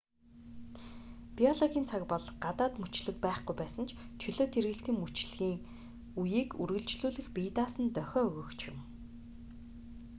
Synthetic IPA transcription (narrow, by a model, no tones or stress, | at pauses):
piɔɮɔɣʲiːnt͡sʰakpɔɮɢat̪aːt̪mut͡ɕɮɘ̆k̚pæːχɡujpæːsə̆nt͡ɕʰt͡ɕʰɵɮoːt̪ʰerɣɘ̆ɬt̪iːŋmut͡ɕɮɣiːŋ | ujiːkurɣɘ̆ɮt͡ɕɮuːɮɘ̆xpiːt̪aːsə̆nt̪œxʲɔːɵɣɵ̆kt͡ɕʰjɪ̰̆m